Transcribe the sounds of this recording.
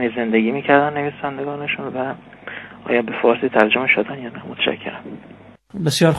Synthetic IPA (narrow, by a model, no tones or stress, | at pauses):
nize̞nd̪eɡiːmiːcʰæɾd̪ænːe̞viːsænd̪eɡɒːneʃunvæ | ʔɒ̰ːjɒːbe̞fɒːɾsiːt̪ʰæɾd͡ʒomeʃod̪ænjɒːnæmot̪ʰæ̥ʃæ̰cʰːeɾæn | besjɒːɾ